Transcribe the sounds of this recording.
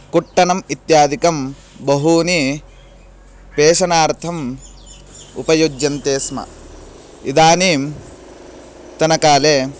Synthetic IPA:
kuʈːɐnɐmit̪jaːd̪ʱikɐm | bɐɦuːni | peːʃɐnaːɾt̪ʰɐm | ṵpɐjod͡ʒːɐnt̪eːsmɐ̰ | id̪aːniːm | t̪ɐnɐkaːleː

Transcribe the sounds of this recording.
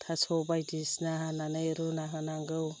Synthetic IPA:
tʰasɔbajdisnaɦananɯjɾunaɦanaŋɡɯw

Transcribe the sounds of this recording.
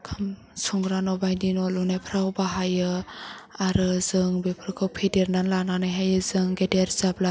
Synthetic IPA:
kʰam | sɔŋɡɾanɔbajdinɔlunajpʰɾaɔbaɦajɯ | aɾɯzɯŋbepʰɾkʰɯwpʰedeɾnanlananɯjɦajɯzɯŋɡedeɾzabla

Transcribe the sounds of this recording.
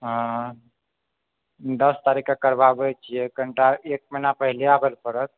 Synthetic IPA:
ɦã | d̪əst̪aɾikakəɾbabɛt͡ʃʰijekəɳʈaek̚məjnapəɦileabelpəɾət̪̚

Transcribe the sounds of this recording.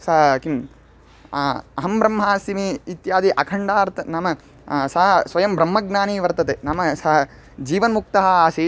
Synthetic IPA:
sɐɦɐkim | ɐɦɐmbɾɐmːɦaːsimiːt̪jaːd̪iʔɐkʰɐɳɖaːɾt̪ɐnaːmɐ | sɐɦɐsʋɐjɐmbɾɐmːɐɡnaːniːʋɐɾt̪ɐt̪eːnaːmɐsɐɦɐ | d͡ʒiːʋɐnɐmuk̚t̪ɐɦɐasiː

